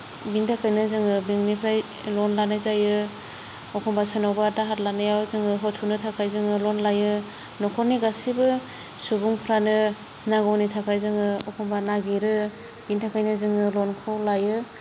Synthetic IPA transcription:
bintʰakʰajnɯzɯŋɯbiŋnipʰɾaj | lɔnlanajzajɯ | ɔkʰɔmbasanɔwbadaɦatlanajawzɯŋɯɦɔtʰunɯtʰakʰajzɯŋɯlɔnlajɯ | nɔkʰɔɾniɡasibɯ | subuŋpʰɾanɯ | naɡɔwnitʰakʰajzɯŋɯɔkʰɔmbanaɡiɾɯ | bintʰakʰajnɯzɯŋɯlɔnkʰawlajɯ

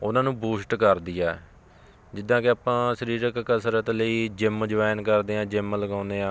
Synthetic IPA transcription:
ʊnãːnũːbuːsʈkəɾd̪iːɛː | d͡ʒɪd̪ːãːkɪaːpãːʃəɾiːɾəkkəsəɾət̪ləiːd͡ʒɪmd͡ʒəʋaːnkəɾd̪eːãːd͡ʒɪmləɡãːnd̪eːãː

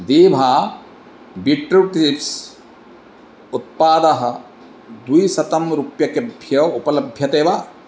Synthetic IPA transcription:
d̪iːbʱaː | biʈɾuʈiiks | ut̪̚paːd̪ɐɦɐ̆ | d̪ujisɐt̪ɐmɾupjɐkebʱjɐʋupɐlɐbʱjɐt̪eːʋa

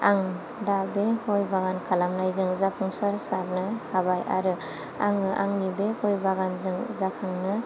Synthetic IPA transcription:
aŋ | dabekɔjbaɡankʰalamnajzɯŋzapʰuŋsaɾsap̚nɯhabaja̰ɾɯ | a̰ŋɯʔa̰ŋnibekɔjbaɡanzɯŋzakʰaŋnɯ

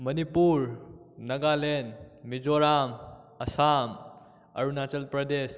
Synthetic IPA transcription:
mɐnipuɾ | nɐɡalenmid͡ʒoɾam | ɐsam | ɐ̰ɾunat͡ʃɐlpɾɐd̪es

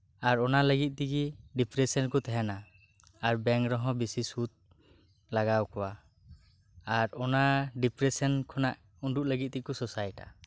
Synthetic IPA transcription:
aɾɔnaləɡit̪̚ˀt̪ikiɖipɾɛsɔnkɔt̪ʰɛɦɛna | aɾbɛŋkɾɔɦɔ̃bisisut̪̚ | laɡawkʰɔwa | ɾɔnaɖipɾɛsɔnkʰɔnaʔ | uɳɖuʔləɡit̪̚t̪ikɔsɔsajʈa̰

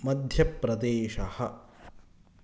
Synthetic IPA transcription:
mɐd̪ʱjɐpɾɐd̪eːʃɐhɐ

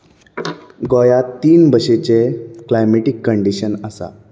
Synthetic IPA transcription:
ɡojat̪iːnbəɕet͡ɕeklajmeʈikːəɳɖiɕənəsa̰

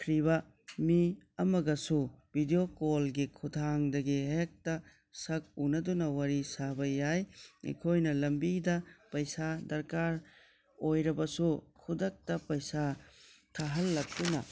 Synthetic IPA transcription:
kʰɾibɐ | miɐmɐɡɐsubʱidiokolɡikʰutʰaŋdɐɡiɦek̚tɐ | sɐk̚unɐdunɐwaɾisabɐjajḛkʰojnɐlɐmbidɐpɐjsadɐɾkaɾ | ojɾɐbɐsukʰudɐk̚tɐpɐjsatʰaɦɐlːɐk̚dunɐ̰

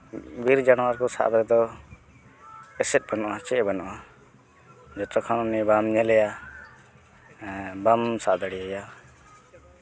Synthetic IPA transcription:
biɾd͡ʒanɔwaɾkɔsa̰ʔb̪aɾɛd̪ɔ | ɛsɛt̪̚banɔʔat͡ʃɛbanɔ̰ʔa | d͡ʒɔt̪ɔkʰanɔnɛbamɲɛlɛja | bamsaʔd̪aɽiaja

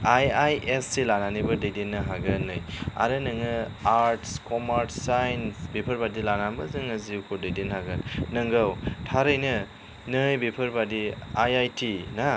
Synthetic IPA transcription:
ajajʔesːelananibɯdejdenːɯɦaɡɯnːɯja̰ɾɯnɯŋɯaɾtskɔmaɾtsajnsbepʰɯɾbadilanambɯzɯŋɯziwkʰodejdinɦaɡɯnːɯŋɡawtʰaɾɯjnɯ | nɯjbepʰɯɾbadiajajtʰina

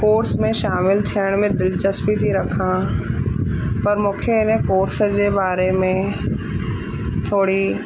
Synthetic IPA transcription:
koːɾsmẽʃaːmɪlt̪ʰijəɽ̃mẽd̪ɪlt͡ʃəsbit̪ʰiɾɐkʰã | pɐɾmʊ̃kʰenẽkoːɾsd͡ʑebaːɾemẽ | t̪ʰoːɽi

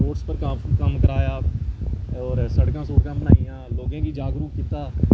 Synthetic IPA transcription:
oːʈspəɾkəmkəmkəɾaːjaː | ɔːɾsəɽkãːsoːɾkãːbənaːɪjãːloːɡãːkiːd͡ʒaːɡɾuːkkɪt̪aː

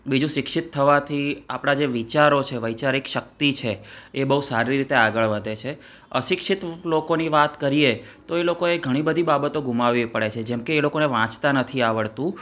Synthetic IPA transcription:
bid͡ʒũʃɪkʃit̪ʰːəʋat̪ʰia̰pɽ̃ad͡ʒeʋit͡ʃaɾot͡ʃʰeʋəjt͡ʃaɾikʃəkt̪it͡ʃʰeːbəɦusaɾiɾit̪eaɡəɭʋəd̪ʱet͡ʃʰe | ə̰ʃɪkʃit̪lokoniʋat̪kəɾije | t̪oelokoeɡʱəɽ̃ibəd̪ʱibabət̪oɡʱumaʋipəɭet͡ʃʰed͡ʒɛmkeːlokoneʋãt͡ʃt̪anət̪ʰiaʋəɭt̪ũ

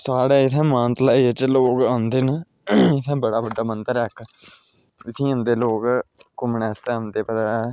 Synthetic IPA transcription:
saːɽɛːɪt̪ʰɛ̃ːmãːnt̪laːit͡ʃloːkãːnd̪eːnə | ɪt̪ʰɛ̃ːbəɽaːbəɖːaːmənt̪əɾɛːk | ɪt̪ʰĩːə̃nd̪eːloːkkʊmɳɛːst̪ɛ̃ːə̃nd̪eːpət̪aː

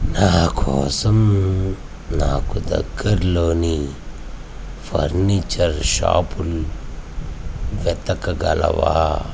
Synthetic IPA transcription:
naːkʰɔːsɐm | naːkud̪ɐ̰ɡːɐɾloːni | pʰɐ̰ɾniːt͡ʃɐɾʃa̰ːpul | ʋɛt̪ɐkɐɡɐlɐ̰ʋa̰ː

